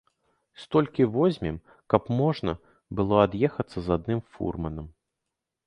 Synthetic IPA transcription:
st̪ɔlʲkʲivɔzʲmʲim | kɐpmɔʐnɐ | bɨlˠɔad̪jɛxɐt̪sːɐzad̪̚nɨmfṵrmɐnɐm

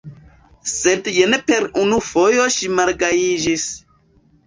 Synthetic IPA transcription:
sedjenepe̞ɾunufo̞jo̞ʃimaɾɡaid͡ʒis

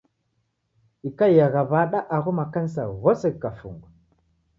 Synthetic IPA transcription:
ikajaɣavaɗaʔaɣumakansaɣosekːafṵŋɡ

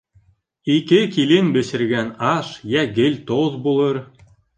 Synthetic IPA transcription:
ikɘkilɘnbɘ̆ɕɘ̆ɾɡænɑʃjæɡɘ̆lʲt̪oðbulˠɤɾ

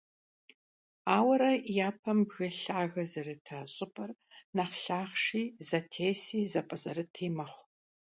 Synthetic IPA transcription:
aːwɐɾɐjaːpʰɐmbɣɨɬaːɣɐzɐrɨtʰɐɕʼɪpʼɐrnɐχɬaːχʂiːzɐtʰeːsiːzɐpʼɐzʼɐɾɨtʰiːmɐχʷ

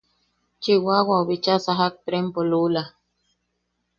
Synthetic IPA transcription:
t͡ʃiwawaoβit͡ʃasaɦak̚t̪ɾempolula

